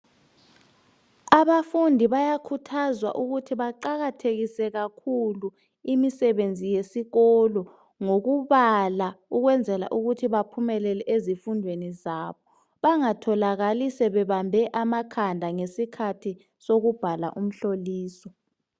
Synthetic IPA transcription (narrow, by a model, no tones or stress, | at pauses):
aβafundʱiβajakʰutʰazwa̰ʔuɣutʰiβaǃaɣatʰeɣisɛɣakʰulu | imisɛβend͡zʱijesiɣɔlɔ | ŋoɣuβalauɣwɛnd͡zʱɛla̰ʔuɣutʰiβapʰumɛlɛlɛʔezifundʱwenizaːβɔ | βaŋatʰɔlaɣalisɛβɛβambʱɛʔamakʰandʱaŋesikʰatʰi | soɣub̥ʱala̰ʔum̩ɬoliːsɔ